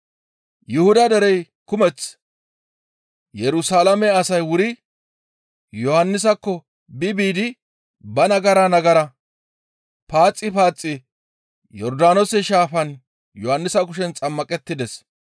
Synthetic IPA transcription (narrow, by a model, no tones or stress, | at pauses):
jʊhʊd̪ɐd̪ɛɾɛj | kʊmɛt͡s | jɛɾʊsaːlɐmɛɐsɐjwʊɾɪ | jɔhɐnːɪs̬ɐkːɔ | bɪbiːd̪ɪ | bɐnɐɡɐɾɐnɐɡɐɾɐ | paːt͡sʼːɪpaːt͡sʼːɪ | jɔɾd̪aːnɔsɛʃaːfɐn | jɔhɐnːɪsɐkʊʃɛnt͡sʼɐmːɐkʼɛt̪ːɪd̪ɛs